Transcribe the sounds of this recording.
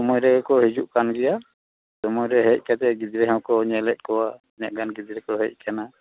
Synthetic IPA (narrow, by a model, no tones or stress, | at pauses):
ɔmɔjɾɛɡɛkɔɦid͡ʒuʔkanɡɛja | sɔmɔjɾɛɦɛc̚ˀkat̪ɛɡid͡ʒ̪ɾɛɦɛwkɔɲɛlɛt̪̚kɔwa | ɲaʔ̚ɡanɡid̪ɾɛkɔɦɛc̚ˀkʰana